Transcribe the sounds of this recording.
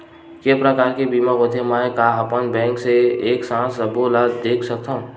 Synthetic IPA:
kepɾəkaːɾkebimaɡot̪ʰemãkaəpənbɛ̃ːŋkseeːksãːsəbolad̪eːkʰsɐk̚t̪aɦũ

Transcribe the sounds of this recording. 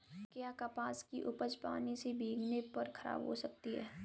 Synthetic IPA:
kjaːkapaːskiʔʊpət͡ʃpa̰ːnisebʱiːɡnepɐɾkʰɐɾa̰ːbɦo̰sɐk̚t̪iɦɛː

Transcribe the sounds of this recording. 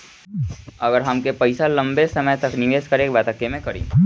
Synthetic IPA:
ɐɡəɾɦɐmkepɐɪsalɐ̃mbesɐməjt̪ɐknɪʋeːskəɾeːk̚bɛːt̪əkːemẽkɐɾḭ̃ː

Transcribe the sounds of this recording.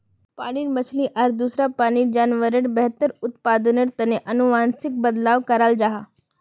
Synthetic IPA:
paːɽiɾmɐt͡ʃʰliʔɐɾd̪uːsɾapaːnid͡ʒaːnʋəɾəɽbɛɦt̪əɾʊt̪paːd̪ənəʈt̪ɐneʔɐnʊʋaːnsɪk̚bəd̪laːʋkɐɾaːld͡ʒaːɦaː

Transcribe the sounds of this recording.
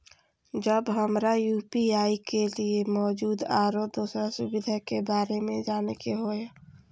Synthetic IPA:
d͡ʒəbɦəmɾajuːpiaːikeliemɔːd͡ʒuːd̪aːɾod̪oːsɾasʊbɪd̪ʱakebaːɾemẽd͡ʒaːnekeɦoja

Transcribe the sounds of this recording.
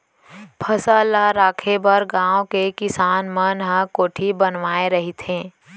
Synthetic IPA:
pʰəsalaɾaːkʰebəɾɡãːõkekɪsaːnmənɦə̃koːʈʰibənʋaːeɾəɦit̪ɦẽː

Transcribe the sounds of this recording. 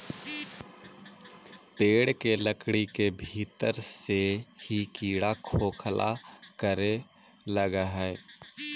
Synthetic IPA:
peːɽkeləkɽikebʱiːt̪əɾsehikiːɽakʰoːkʰlʔa̰kəɾe | ləɡaɦɛː

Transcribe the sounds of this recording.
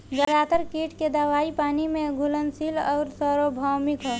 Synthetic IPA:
d͡ʒəɾaːt̪əɾkiːʈked̪əʋaːipaːnimẽɡʱulənsilɔːɾsəɾobʱawmikɦɛː

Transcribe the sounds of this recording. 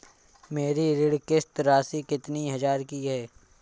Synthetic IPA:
meːɾiɾɪɽkɪst̪ɾaːsikɪt̪niɦɐzaːɾkiɦɛː

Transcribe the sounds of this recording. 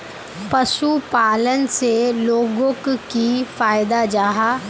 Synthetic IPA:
pɐʃupaːlənseloːɡõkkifaːjd̪ad͡ʒaːɦaː

